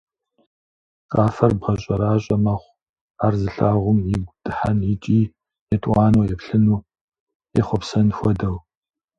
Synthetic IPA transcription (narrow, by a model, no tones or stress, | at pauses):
qʼaːfɐrbʁɐɕʼɐɾaːɕʼɐmɐχʷ | aːrzɨɬaːʁʷʊmiɡʷd̥ʼɨħanjit͡ʃʼiː | jɛtʼwɑːnowjɛpɬɨnuː | jɛχʷɔpsɐnxʷɔdɐw